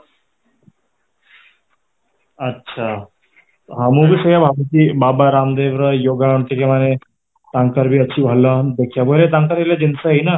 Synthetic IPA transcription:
ətːɕʰa | ɦamubʱisəjabʱabut͡ɕibaːbaɾamd̪eʋɾəjoːɡauɳʈ̪ekemane | t̪ãŋkəɾbʱiət͡ɕʰibʱalənd̪ekʰijabojlet̪ãŋkəɾelad͡ʑinsaɦina

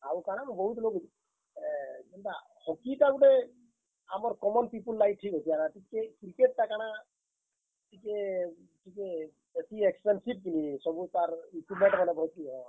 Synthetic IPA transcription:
aukaɽ̃ambɔɦut̪loɡid̪i | ɛnta | hɔkitaɡuɖɛ | amɔɾkɔmɔnpipulːaiʈʰːikɦɔt̪ijanatikekɾikeʈ̚ːakaɽ̃a | tike | ʈʰike | besiekspensib̚kilisɔbut̪aɾikumɛɳʈmanɛbʱɔt̪iɦɔ̃

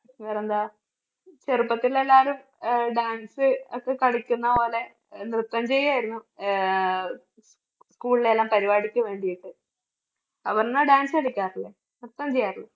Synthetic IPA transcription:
nːpɐrɐjɲnd̪aː | t͡ɕerupːɐt̪ːilːelːaːɾum | ɖaːnsɨokːe̞kɐɽikʲːunːɐpo̞ːle̞ | nrɨt̪ːɐmt͡ɕe̞jːaːjiɾunːu | skuːɭilelːaːmpɐɾibaːɽikʲːuʋe̞ːɳɖijiʈːɨ | ɐʋɐnnːaɖaːnsɨkɐɽikʲːaːriɭːe | nrɨt̪ːɐmt͡ɕe̞jaːriɭːe

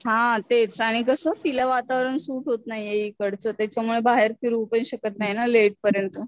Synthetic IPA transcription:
ɦãt̪et͡saɽ̃ikəsəːt̪ilaʋat̪aʋɾəɳsuːʈɦot̪naɦijeɦikəɽt͡sət̪jat͡ɕamuɭebaɦeɾkiɾuʋpəɽĩɕəkət̪̚naɦjinaleʈ̚pəɾjənt̪ə

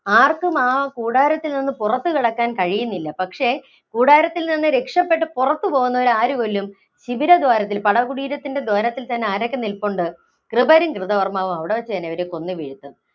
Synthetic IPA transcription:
aːrkumaːkuːɽaːɾɐt̪ːilninːɨpurɐt̪ːɨkiɽɐkːaːnkɐɻijunːilːɐpɐkʂe̞ | kuːɽaːɾɐt̪ːilninːɨɾe̞kʂɐpːe̞ʈːɨpurɐt̪ːɨpo̞ːɣunːɐoɾaːɾuɣolːum | ɕibiɾɐd̪waːɾɐt̪̬ːilpɐɽɐkuɽiːɾɐt̪ːinde̞d̪waːɾɐt̪ːilt̪ɐnːe̞aːɾokʲːenilpoɳɖɨ | krɨbɐɾɐŋkrɨðɐʋɐrmaːʋumɐʋiɽe̞ʋɐt͡ɕːɨt̪ɐnːeɐʋɐɾeko̞nːɨʋiɻit̪ːunː

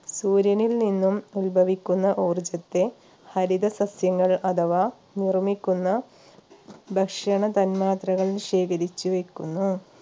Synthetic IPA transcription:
suːɾjɐnilninːumulbʱɐʋikʲːunːɐʔoːrd͡ʑɐt̪ːe̞ | hɐɾid̪ɐsɐsjɐŋːɐɭɐd̪ʱɐʋaː | nirmikʲːunːɐ | bʱɐkʂɐɳɐt̪ɐnmaːt̪rɐɣɐɭʂe̞ːkɐɾit͡ɕːuʋe̞kʲːunːu

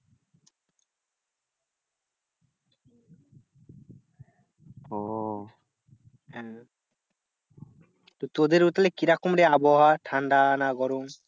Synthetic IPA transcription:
ɔ | ɛ̃ | t̪ot̪od̪eɾut̪alekiɾakumɾeabɔɦaʈʰaɳɖanaɡɔɾoŋ

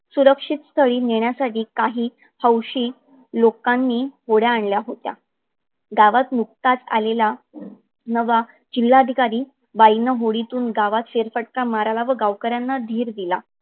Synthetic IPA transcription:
suɾəkʂit̪st̪ʰəɭiːneɳjasaʈiːkaɦiː | həwɕiː | lokanːiːɦoɽjaːɳljaɦot̪ja̰ | ɡaʋat̪nuk̚t̪at͡sa̰lela | nəʋa | d͡ʑilːad̪ʱikaɾiː | ʋainəɦoɽit̪uːnɡaʋat̪feɾfəʈ̚kaməɾalaʋəɡaʋkəɾjanːad̪ʱiːɾd̪ila

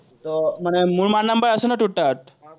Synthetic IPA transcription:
t̪ɔm̤əɽemuːɭmanəmbəɾəsənaʈuʈːat̪̚

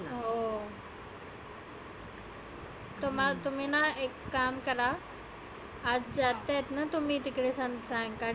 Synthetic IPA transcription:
ɦoː | t̪oːmãt̪ʊmĩnãekːaːmkɐɾa | ɐd͡ʑd͡ʑaːt̪et̪nɐt̪ʊmĩt̪ɪkɽesɐ̃nd̪sãːka

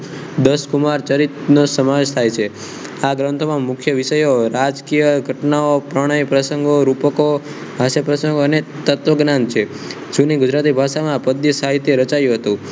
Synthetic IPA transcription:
d̪əskumaɾt͡ʃəɾit̪nosəmad͡ʒt̪ʰajt͡ʃʰe | aɡɾə̃nt̪ʰomãmʊkʰjəʋiʃəjoɾad͡ʒkijəɡʱəʈnaopɾəɽ̃əjpɾəsəŋɡoɾupəko | ɦaʃəpɾəsəŋɡoənet̪ət̪ʋəɡnant͡ʃʰe | d͡ʒuniɡʊd͡ʒɾat̪̬ibʱaʃamãpəd̪ːisaɦit̪jeɾət͡ʃajũɦət̪ũ

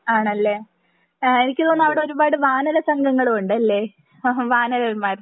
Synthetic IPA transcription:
aːɳɐlːeː | e̞nikʲːɨt̪o̞ːnːɐʋiɽeo̞ɾubaːɽɨʋaːnɐlɐsɐŋɡɐŋːɐɭuɳɖɨɐlːe̞ː | ʋaːnɐlɐlmaːr

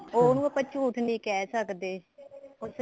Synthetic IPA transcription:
oːnũːəpət͡ʃʰuːt̪ʰnĩːkɛːsəkd̪eːʊs

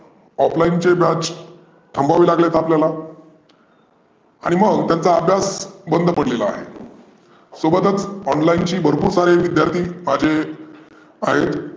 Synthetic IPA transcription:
ɔplaint͡ɕebjat͡ɕ | ʈ̪ʰːəmbaʋiːlaɡlet̪apljala | aɽ̃iməɡt̪jant͡saːbʱjasbənd̪ʱpəɽlela̰ːɦḛ | sobət̪ət͡sɔnlaint͡ɕiːbʱəɾpuːɾsaɾeʋid̪jaɾt̪ʰiːmad͡ʑʱe | aɦet̪

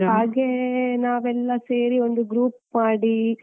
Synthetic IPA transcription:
aːɡenaːʋɛlːɐse̞ːɾio̞nd̪uɡɾuːp̚maːɽi

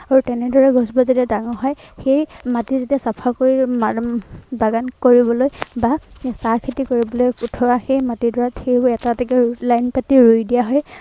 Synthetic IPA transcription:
aɹutɛnɛdɔɹɛɡɔsbɔzitɛdaŋɔɦɔj | xejmatizitɛsapʰakoɹimabaɡankoɹibɔlojbasaɹkʰitikoɹibɔlojkutʰɔɹaxejmatidɔɹatʰebɛtatɛkɛlajnpatiɹujdijaɦɔj

